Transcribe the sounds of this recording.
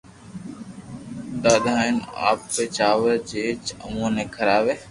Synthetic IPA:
ɗ̪aːd̪ʱaːɪna̰ːpːeːt͡ʃaːʋəɾd͡ʒeːt͡ʃə̰mũːnẽːkʰəɾaːʋeː

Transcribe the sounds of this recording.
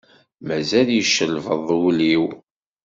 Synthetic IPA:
mæzæljəʃːəlvəðˤwuliw

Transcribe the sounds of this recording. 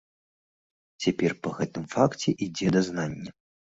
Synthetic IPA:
t͡sʲapʲɛrpɐɣɛt̪ɨmfakt͡sʲɛʔid͡zʲɛd̪ɐznanʲːɐ

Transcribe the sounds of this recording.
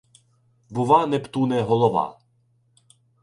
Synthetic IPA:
bʊʋanɛpt̪unɛɦɔlˠɔʋɑ̰

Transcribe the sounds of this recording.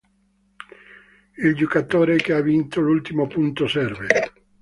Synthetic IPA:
ild͡ʒokat̪oːɾek̟eavint̪olult̪imopunt̪osɛrvḛ

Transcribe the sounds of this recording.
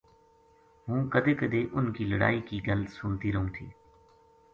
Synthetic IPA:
ɦũːkəd̪eːkəd̪eːʔʊnkiːləɽa̰ːiːkiːɡələt̪sʊnt̪iːɾəɦũːt̪ʰḭː

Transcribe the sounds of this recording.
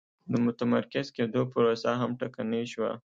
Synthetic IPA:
d̪əmʊt̪amaɾkɪzked̪opəɾosaɦamʈakanəʃwa̰

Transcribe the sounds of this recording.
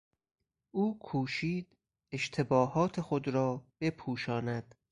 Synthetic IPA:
ʔuːkʰuːʃiːd̪̥ | e̞ʃt̪ʰe̞bɒːhɒːt̪ʰexod̪ɾɒːb̥e̞pʰuːʃɒːnæd̪̥

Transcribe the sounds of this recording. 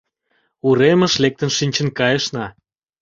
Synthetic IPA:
uɾemə̆ʃlek̚t̪ənʃinʲt͡ɕə̆nkɑjəʃnɑ

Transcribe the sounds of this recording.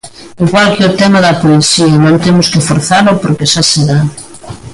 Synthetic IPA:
eŋkwalkeot̪ɛmɐðɐpoisiɐnõnt̪emʊskɪfoɾθalopoɾkeʃaseða

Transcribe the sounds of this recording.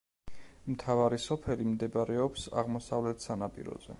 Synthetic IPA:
mt̪ʰavaɾisɔpʰɛlimd̪ɛbaɾɛɔpsa̰ʁmɔsavlɛt̪ʰsanapʼḭɾɔ̰zɛ̰

